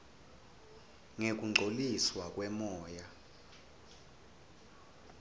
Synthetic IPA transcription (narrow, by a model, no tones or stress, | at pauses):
ŋek̬ʼuŋ͡ǃʱoliswakʼwɛmɔːja